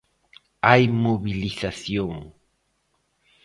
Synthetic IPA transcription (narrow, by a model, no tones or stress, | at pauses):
ajmoβɪlɪsasjoŋ